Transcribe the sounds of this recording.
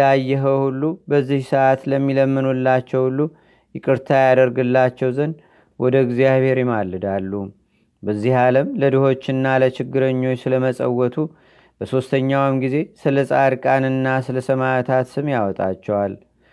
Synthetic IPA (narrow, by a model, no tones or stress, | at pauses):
ajːɛɦəhulːubəzːihsəʔat̪ləmːiləmːɨnulːat͡ʃːɛwhulːu | jɪkʼɨɾt̪ʰajad̪əɾɡɨlːat͡ʃːɛwzən | wɔd̪əɨɡzjaβhe̞ɾjɪmalːɨd̪alːu | bəzːihaləmləd̪ɨho̞t͡ʃːɨnːalət͡ʃɪɡːɨɾəɲːo̞t͡ʃːsɨləməsʼə̰wːɔt̪ʰu | bəso̞st̪ʰəɲːawmɡize̞sɨləsʼaɾkʼanɨnːasɨləsəmat̪ʰat̪sɨmjawɔt̪ʼa̰t͡ʃːɛwal